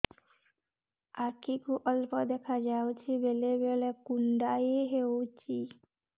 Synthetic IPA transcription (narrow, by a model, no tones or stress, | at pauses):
aɾkikuʔɔlpɔd̪ɛkʰad͡ʒawt͡ʃʰibelebelekunɖajeɦet͡ʃʰi